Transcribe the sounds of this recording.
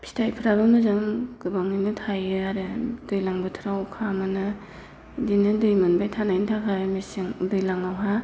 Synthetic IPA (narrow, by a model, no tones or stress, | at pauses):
pʰi̥stʰajpʰɯɾabɯnuzaŋɡɯbaŋninɯtʰajɯaɾɯd̥ɯjlaŋbɯtʰɾawkʰamɯnɯ | dinɯdɯjmɯnbajtʰanajntʰakʰamesiŋdɯjlaŋawɦa